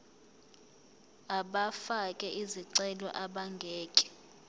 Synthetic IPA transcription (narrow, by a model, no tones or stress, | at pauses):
aɓafakʼɛʔiziǀɛlɔ̰ʔaɓaŋɡʱɛːkʼɛ̥